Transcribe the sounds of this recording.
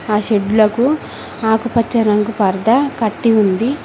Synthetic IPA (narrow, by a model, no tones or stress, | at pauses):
aːʃeɖːulɐku | aːkupɐt͡ʃːɐɾɐŋɡupɐɾd̪ɐkɐʈːiund̪i